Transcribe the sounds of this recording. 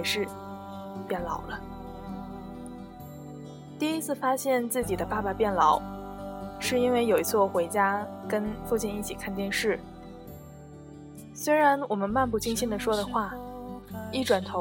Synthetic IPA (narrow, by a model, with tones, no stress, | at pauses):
ʂɻ̩˥˧ | pjɛ˥˩nlɑ˨˩ʊlə˦ | t̪i˥˩i˥t͡sʰɹ̩˥˩fa˥ɕjɛ˥˧nt͡sɹ̩˥˩t͡ɕi˨˩d̪ə˦pa˥˩pa˨pjɛ˥˩nlɑ˧˥˦ʊ | ʂɻ̩˥˩i˥nwe˥˩ɪjo˨˩ʊi˧˥t͡sʰwɔ˥˩xwe˧˥ɪt͡ɕja˥kə˥nfu˥˧t͡ɕjɛ˥˧ni˥˩t͡ɕʰi˨˩kʰa˥˩˧nt͡ɕ̪jɛ˥˧nʂɻ̩˥˩ | swe˥ɪɻa˧˥nwɔ˨˩mə˦nma˥˧npu˥˩t͡ɕʰi˥ŋɕi˥˩nd̪ə˨ʂwɔ˥ɾə˨xwa˥˩ | i˥˩ʈ͡ʂwa˨˩nt̪ʰo˧˥